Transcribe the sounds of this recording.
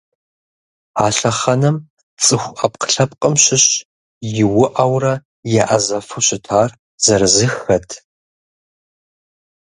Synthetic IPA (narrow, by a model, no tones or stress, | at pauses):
aːɬɐχɐnɐm | t͡sʼɨxʷɐp̚qʰə̥ɬɐp̚qʼəmɕɪɕ | jɪwʊʔɐwrɐ | jaʔɐzɐfɨɕɪtʰaːr | z̥ɐɾɨzɨxɐtʰ